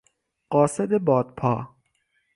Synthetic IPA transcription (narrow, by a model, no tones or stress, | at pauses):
ɢɒːsed̪ebɒːd̪̥̚pʰɒ̰ː